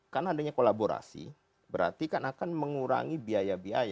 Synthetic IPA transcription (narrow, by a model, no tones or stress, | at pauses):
kanaadaɲakolaboɾa̰sḭ | bəɾa̰rt̪ikanakanməŋuɾa̰ŋibiajabiaja